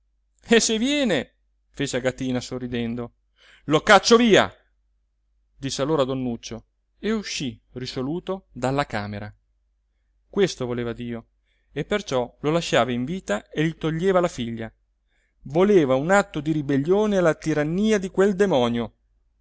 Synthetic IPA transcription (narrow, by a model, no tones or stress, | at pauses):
esevjɛːne | feːt͡ʃeaɡat̪iːnasorːid̪ɛnd̪o | lokat͡ʃːoviːa̰ | d̪isːealːoːɾad̪onːut͡ʃːo | euʃːirisoluːt̪od̪alːakaːmeɾa | kwest̪ovoleːvad̪iːo | epːert͡ʃɔlolaʃːaːvaiɱviːt̪aeʎit̪oʎːeːvalafiʎːa | voleːvaunat̪ːod̪iɾibeʎːoːnelat̪iɾanːiːad̪ikweld̪emɔːnjo